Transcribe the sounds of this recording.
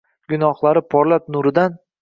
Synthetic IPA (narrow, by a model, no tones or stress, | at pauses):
ɡʊnɒχlˠaɾɪpʰɒɾlap̚nʊɾɪd̪an